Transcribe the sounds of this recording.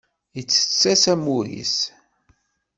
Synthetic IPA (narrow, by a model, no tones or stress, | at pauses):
jət͡sːə̥t͡sːæsæmuɾḭs